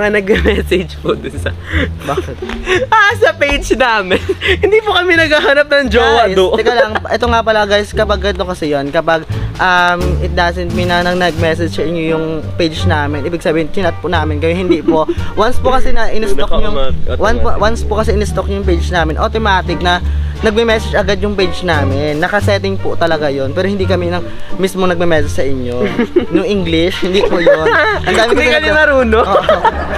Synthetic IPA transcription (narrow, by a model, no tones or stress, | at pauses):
mɐŋanɐɡ̚ɐmɛsɛd͡ʒpʊd̪ʊnsɐbaːkɪt̪̚ʔasɐpejd͡ʒnaːmɪnhɪnd̪ipokɐmɛnɐɡhahanɐp̚nɐŋd͡ʒoːwɐd̪oʔɛkɐlaɐpʔɛt̪oŋapɐlɐɡajskɐpɐɡ̚kɐnɪt̪okɐsɛjonkɐpɐɡʔɐmɪt̪̚d̪asɛnt̪̚mɪnɐnɐnɐɡ̚mɛs̬ɛd͡ʒɛɹɲojʊŋpejd͡ʒnaːmɪnʔiːbɪɡ̥̚sɐbiːhɪnɪnɐt̪̚pʊnaːmɪnkɐjɛhɪnd̪iːpoʔwanspʊkɐsɛnɐʔɪnɪstojʊŋwanpwanspʊkɐsɛʔɪnɛst̪ok̚jʊŋpejd͡ʒnaːmɪnʔot̪omaːt̪ɪk̚nɐnɐɡ̚mɛmɛsɛd͡ʒɐɡad̪̚jʊŋpejd͡ʒnaːmɪnːɐkɐsɛt̪ɪŋpʊt̪ɐlɐɡajonpɛːɾohɪnd̪iːkɐminɐŋ | mismoŋnɐɡ̚mɛmɛsɛd͡ʒsɐʔɪɲːonʊŋʔiŋɡlɪʃhɪnd̪iːpojonʔɐnd̪aːmɪɐnɐɾuːnoʔoʔ